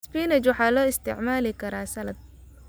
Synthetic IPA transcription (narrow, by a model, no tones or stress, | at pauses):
spiːnɛt͡ʃwɑħɑːlɔːɪst̪ʰɪ̰ʕmaːlɪkʰɐɾaːsɐlɐd̪̚